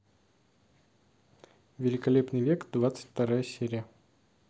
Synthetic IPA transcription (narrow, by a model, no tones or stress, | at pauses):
vʲɪlʲɪkɐlʲepnɨjvʲekd̪vat̪sɨ̥tʲft̪ɐɾajəsʲeɾʲɪjə